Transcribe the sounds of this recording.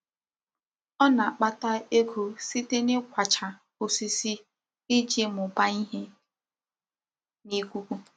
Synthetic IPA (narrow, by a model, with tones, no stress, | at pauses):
ɔ˦na˨a˨k͡pa˦ta˦e˦kʰu˨si˦te˦nɪ˦kʷa˨t͡ʃa˨ | ʊ˨si˦si˦ | ɪ˦d͡ʒe˦mʊ˨pa˦i˦ɦe˦ | ni˦kʷu˦kʷu˦